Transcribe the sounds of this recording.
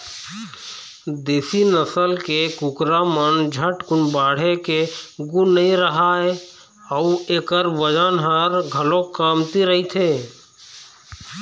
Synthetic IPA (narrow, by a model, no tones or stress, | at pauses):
d̪eːsinəsəlkekʊkɾamənd͡ʒʱəʈkʊnbaːɽ̤ekeɡunːəĩɾəɦae | əueːkəɾʋəd͡ʒənɦəɾɡʱəlokaːmt̪iɾəɦit̪ʰeː